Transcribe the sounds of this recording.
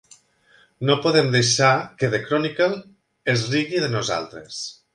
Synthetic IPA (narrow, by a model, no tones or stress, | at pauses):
nopoðemd̪ejʃakeðekɾɔnikalˠ | ezriɣiðənoza̰lˠt̪ɾes